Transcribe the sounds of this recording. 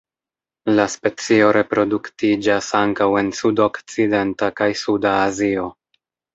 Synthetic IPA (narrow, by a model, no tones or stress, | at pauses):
laspe̞t͡sio̞ɾe̞pɾo̞duktid͡ʒasaŋkawe̞nsudo̞kt͡side̞ntakajsudaːzio̞